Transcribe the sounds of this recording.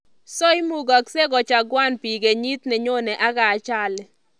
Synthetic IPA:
sɔ˦i˦mu˨ɡɔ˨kse˦ɡɔ˨t͡ʃa˨ɡwa˦npi˨ɡe˨ɲi˦t̪nɛ˨ɲo˦nɛ˨ʔa˦ɡaː˨t͡ʃa˦˨lɛ˨

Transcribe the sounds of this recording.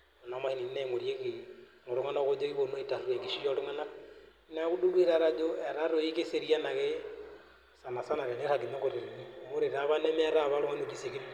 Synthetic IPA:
o˨nɔ˨ma˦hi˦ni˨ni˦na˦i˦ŋo˨ɾje˦ɣiŋo˨ɾo˦ŋa˦no˦ɣo˦d͡ʒo˦ɣi˦βono˦ita˨ɾu˨e˨ŋɡi˦ʃi˦jɔ˦ɾo˦ŋa˦na˦ | na˦ɣu˦du˦lu˦i˦ɾa˦ɾa˦d͡ʒo˦ɛ˨ɾa˦ɾo˨i˦ke˦se˦ɾia˦na˨ɣe˦ | sa˨na˨sa˦na˨βe˨ne˦ka˨ki˨ɲo˦ŋɡo˨ɾi˨nini˦mo˦ɾe˨ɾaβanɛ˦mɛː˦ɾa˦βa˦ɾo˦ŋa˦no˨ti˦se˨ki˦

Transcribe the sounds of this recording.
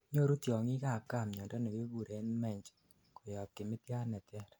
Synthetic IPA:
ɲo˦ɾu˦tjɔ˨ŋi˦ka˨ka˦˨mɲɔ˨ndɔ˦nɛ˨ɡe˦ɡu˨ɾe˨˦nmɛ˦˨ɲd͡ʒ | ko˨jɔ˨t̚kɪ˨mɪ˦t̪ja˦nɛ˨tɛ˦ɾ

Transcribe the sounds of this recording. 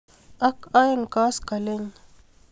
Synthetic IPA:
a˦ka˦jnka˦ska˨le˦n

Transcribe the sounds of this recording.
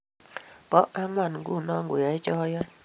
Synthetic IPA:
pɔ˦ʔa˦ŋwa˦˨n˨ɡṵ˦˨nɔ˦ŋɡu˨ja˨i˦t͡ʃɔ˦ɔ˦jɔ˦j

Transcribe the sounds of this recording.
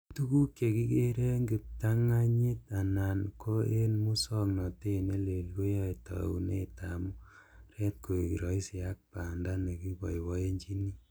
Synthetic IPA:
tu˦ku˦kje˨ki˦ke˦ɾe˦ŋɡɪ˨p̚ta˦ŋa˦ɲi˦ta˨na˨nkʰo˦e˦nmu˦sɔ˦knɔ˨te˦˨ne˦le˨lko˦jɔ˦i˨ta̰˨ṵ˨nḛ˦ta˨mu˦ɾɛ˦t̚ko˨ki˨ɾɔ˨˦i˦si˨a˦k̚pa˨nda˦ne˨ki˦bɔ˨jwɔ˨˦e˦ɲd͡ʒi˦ni˦

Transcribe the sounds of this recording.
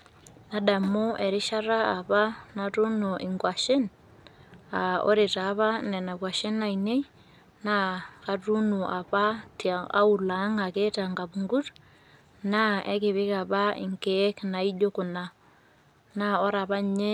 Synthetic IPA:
na˦da˨mo˦ʔɛ˨ɾɪ˦ʃa˦ɾaː˦˨pa˦na˨tu˦no˨ʔɪ˨ŋɡwa˨ʃɪ˦n | a˨o̰˦ɾe˨ta˨˦βa˦nɛ˨na˨kwa˨ʃe˦na˨ine˦ | na˦ka˨tu˦nu˨ʔa˨pa˦ta̰˦u˨la˨˦ŋa˨ke˦ta˨ŋɡa˨βu˨ŋɡu˦t | na˦ɛ˦kɪ˨βɪ˦ka˨βa˦ɪ̰˨ŋke˦kna˨i˦d͡ʒo˦kʊ˨na˨ | na˦ɔ˦ɾa˨βa˦ɲe˦

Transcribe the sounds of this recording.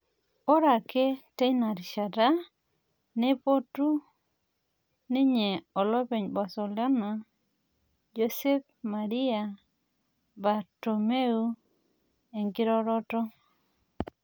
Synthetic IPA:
o˦ɾa˨ke˦tɛ˦ɲna˨ɾʃa˨ta˦ | ne˦po˦tu˦ | nɪ˦ɲe˨ɔ˨lɔ˦pe˨ɲba˨sɔ˨lɔ˦na˨ | d͡ʒo˨se˦p | ma˨ɾi˦a˨ | ba˨to˨me˦u˦ | e˨ŋɡɪ˦ɾɔ˦ɾɔ˦tɔ˦

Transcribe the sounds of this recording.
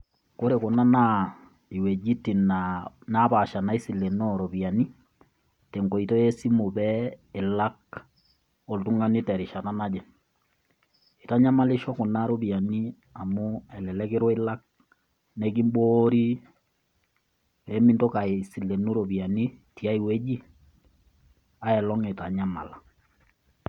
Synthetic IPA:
ko˦ɾe˨ko˨na˦na | i˨wɛ˨d͡ʒi˦ti˨nana˦βa˨ʃa˨na˨˦i˦si˨le˨nɔɾo˨βja˨ni˦ | te˨ŋko˨i˨tɔ˦jɛ˦si˦mo˨βɛe˨la˦k | o˨ltu˦ŋɡa˦ni˦tɛ˨ɾe˨ʃa˨na˦na˦d͡ʒɛ˨ | i˨ta˦ɲa˦ma˨li˦ʃɔ˦ko˨na˦ɾo˦bi˨a˨ni˦ | a˨mu˦ɛ˨lɛ˨lɛ˦ke˦ɾɔ˦e˦la˦k̚ | nɛ˦k̬i˦mboɾi˦ | pɛ˨˦mi˦nto˦ka˨e˨si˨le˨nu˦ɾo˨bi˨a˨ni˦ti˨a˦i˨we˦d͡ʒi˦ | a˦ɛ˨lɔ˦ŋe˨ta˨ɲa˦ma̰˨la˨

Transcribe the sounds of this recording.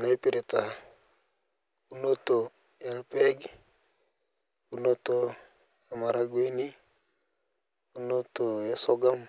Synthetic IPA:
na˦jpi˨ɾe˨ta˨ | u˦no˦to˨ | ja˦lpɛ˦ɡ | uno˦to˦ | a˨ma˨ɾa˦ɡwe˦ni˦ | u˦no˦to˨ja˦so˦ɡa˦m

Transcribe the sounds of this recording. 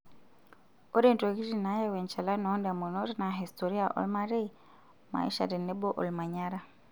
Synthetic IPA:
o˦ɾe˦˨n˨to˨ɣi˦ɾi˨na˦ja˦˨wɛ˨nt͡ʃa˨la˦nɔ˨˦nda˨mo˨no˦ɾi˦na˨ɦi˨stɔ˨ɾi˦a˨ʔɔ̰˦lma˦ɾe˦ | ma̰˨ḭ˦ʃa̰˨ɾi˨nɛ˦bɔ˦ʔɔ̰˨lma˨ɲa˦ɾa˨

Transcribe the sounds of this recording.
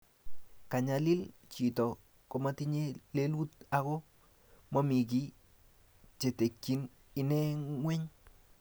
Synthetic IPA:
ka˨ɲa˨lɪ˦lt͡ʃi˨tɔ˨ | kɔ˨ma˦ti˦ɲe˦le˦lu˦t̚a˦ko˦ | ma˦mi˨ki˦ | t͡ʃe˨te˨kːi˦n | i˦nɛ˦ŋwɛ˦ɲ

